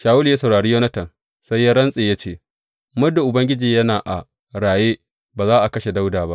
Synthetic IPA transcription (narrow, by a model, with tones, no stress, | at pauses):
ʃaː˨wʊ˦ljaː˦sɐ˨wɽaː˨ɽiː˦joː˦nɐ˦tɐ˨n | sa˦jaː˦ɽɐ˦nsʼeː˨jaː˦t͡ʃeː˦˨ | mʊ˦da˨ʔʊ˨bɐ˦ŋɡʲɪ˦d͡ʒiː˨jɐ˦naː˨ʔa̰˨ | ɽaː˨jeː˦ | baː˨zaː˦ʔa˨kɐ˦ʃe˨da˦wdaː˨ba˦ʔ